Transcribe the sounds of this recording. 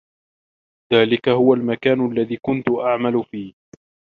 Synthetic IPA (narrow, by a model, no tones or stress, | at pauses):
ðaːlɪkahʊwalmakaːnʊʔalːaðiːkʊnt̪ʊʔaʕmalʊfiːh